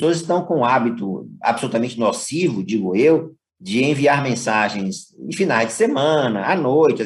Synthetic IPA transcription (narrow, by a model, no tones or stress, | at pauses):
soɐzɪst̪ɐ̃w̃kõũabit̪ʊa̰bɪsolut̪amẽnt͡ʃɪnosivʊd͡ʒiɡʊew | d͡ʒɪẽviaɾmẽsaʒẽj̃sḛ̃finajzd͡ʒɪsemɐ̃nɐ̰anojt͡ʃɪ